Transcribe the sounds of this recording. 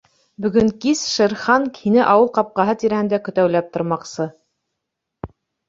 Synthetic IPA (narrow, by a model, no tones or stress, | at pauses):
bɵ̆ɡɵŋkisʃɤ̆ɾχɑŋʰinɘʔɑwɤlˠqɑp̚qɑɦɤt̪iɾæhɘ̆nd̪ækɵ̆t̪æwlæp̚t̪ŏɾmɑqsɤ